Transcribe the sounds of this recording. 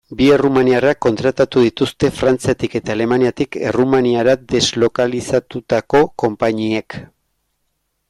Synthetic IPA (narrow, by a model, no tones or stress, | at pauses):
bie̞rumaniarakːo̞nt̪ɾat̪at̪uðit̪ust̪e̞fɾant͡siat̪ike̞t̪aːle̞maniat̪ike̞̰rumaniaɾad̪e̞zlo̞kalisat̪ut̪ako̞ko̞mpaɲiek